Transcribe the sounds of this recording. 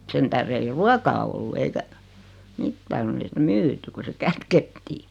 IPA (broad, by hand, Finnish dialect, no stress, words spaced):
sen tæhre ei ruɑkɑː olːu eikæ mitːæː konː ei sitæ myːty ku se kætketːiː